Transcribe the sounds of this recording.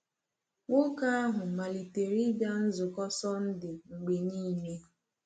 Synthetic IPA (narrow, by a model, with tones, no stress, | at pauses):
ŋo˦ka˦a˦ɦʊ˨ma˨li˨te˨ɾi˦ɡa˦n̩˦zʊ˨kɔ˦sɔ˦n̩˦dɪ˨ŋ͡m̩˨ɡ͡be˨ɲiː˦˨me˦